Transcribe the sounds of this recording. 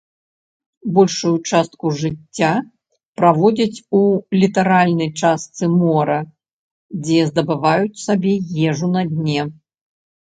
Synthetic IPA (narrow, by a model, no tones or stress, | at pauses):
bɔlʲʂujut͡ʂast̪kuʐɨt͡sʲːa | pɾavɔd͡zʲɐt͡sʲulʲit̪aɾalʲnɐjt͡ʂast̪sɨmɔɾɐ | d͡zʲɛzd̪ɐbɨvajut͡sʲsabʲɛjɛʐunɐd̪ʲnʲɛ